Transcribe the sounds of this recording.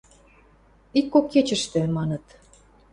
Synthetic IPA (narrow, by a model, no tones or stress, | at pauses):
ikːokːet͡ɕə̆ʃt̪ĕmɑnɤ̆t̪